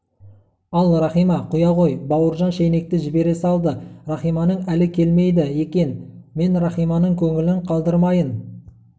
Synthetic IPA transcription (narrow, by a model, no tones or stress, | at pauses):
ɑlˠrɑχijmɑqʰʊjɑʁo̞jbɑwəɾʒɑnʃejne̞k̚t̪ɪʒɪbe̞ɾe̞sɑlˠd̪ərɑχijmɑnəɴælɪkʲʰe̞lme̞jd̪ɪje̞kʲe̞nme̞nɾɑχijmɑnəɴkʲʰɵŋɪlɪɴqʰɑlˠd̪əɾmɑjən